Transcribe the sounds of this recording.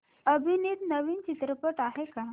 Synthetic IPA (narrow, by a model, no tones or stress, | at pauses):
əbʱiniːd̪nəʋiːnt͡ɕit̪ɾəpəʈaɦeka